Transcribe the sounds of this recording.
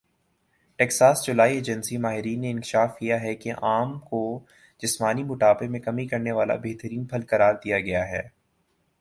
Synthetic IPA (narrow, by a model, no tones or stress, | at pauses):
ʈɛːksaːsd͡ʒʊlaːieːd͡ʒənsimaːɦɪɾiːnːeɪ̃nkɪʃaːfkijaɦɛkeʔaːmko | d͡ʒɪsmaːnimʊʈaːpemẽkɐmikɐɾneʋaːla̰beːɦt̪əɾiːnpʰɐlkɐɾaːɾd̪ijaɡɐjaɦɛː